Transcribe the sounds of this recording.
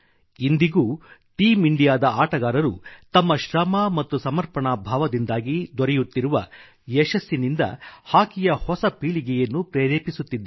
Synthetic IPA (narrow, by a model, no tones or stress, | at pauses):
ind̪iɡuːʈiːmiɳɖijaːd̪ɐaːʈɐɡaːɾɐɾut̪ɐmːɐʃɾɐmɐːmɐt̪ːusɐmɐɾpɐɳabʱaːʋɐd̪ind̪aːɡid̪ɔɾɛjut̪ːiɾuʋɐ | ɛʃɐsːinind̪ɐ̰haːkijɐhɔsɐpiːɭiɡɛjɐnːupɾɛːɾeːpisut̪ːid̪ːɐ